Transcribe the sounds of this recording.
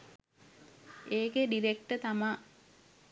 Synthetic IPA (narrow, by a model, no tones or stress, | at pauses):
eːkeɖiɾek̚ʈət̪ama